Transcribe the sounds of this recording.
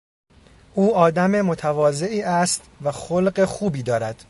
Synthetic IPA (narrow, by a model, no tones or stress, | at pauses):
ʔuːɒːd̪æme̞mo̞t̪ʰævɒːze̞ʔiːʔæst̪væxolɢe̞xuːbiːd̪ɒːɾæd̪̥